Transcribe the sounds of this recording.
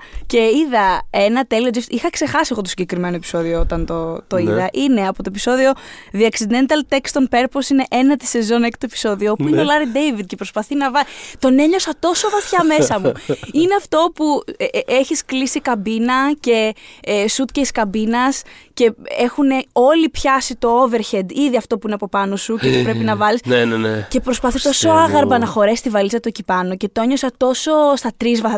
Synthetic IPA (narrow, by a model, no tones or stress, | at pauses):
ce̞iðɐe̞nɐt̪eliod͡ʒift̪ixɐkse̞xɐsiɐɣot̪osiɲɟekɾime̞noepi̥so̞ðioot̪ɐnt̪ot̪o̞iðɐʔineɐpot̪opi̥so̞ðio̞ðiɐksid̪ent̪ɐlt̪ekst̪onpe̞ɾposine̞ʔenɐt̪i̥se̞zo̞nect̪oepi̥so̞ðioopuineolɐɾid̪ejvid̪̚ce̞pɾo̞spɐθinɐvɐt̪o̞ne̞ɲo̞sɐt̪o̞so̞vɐθçɐme̞sɐmuineɐft̪o̞pueçisklisikɐbinɐce̞sut̪̚ceiskɐbinɐsce̞exune̞o̞lipçɐsit̪o̞ove̞ɾçed̪iðiɐft̪o̞puineɐpo̞pɐno̞sucet̪upɾepinɐvɐlisnenenece̞pɾo̞spɐθit̪o̞so̞ɐɣɐɾbɐnɐxo̞ɾe̞sist̪ivɐlisɐt̪ocipɐno̞ce̞t̪oeɲo̞sɐt̪o̞so̞st̪ɐt̪ɾizvɐ